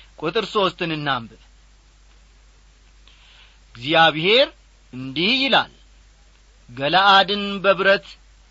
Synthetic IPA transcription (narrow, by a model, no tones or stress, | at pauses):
kʼʊt̪ʼɨɾso̞st̪ʰɨnɨnːambɨ | ɡzjaβhe̞ɾ | ɨnd̪ihjɪla̰l | ɡələʔad̪ɨnbəβɾət̪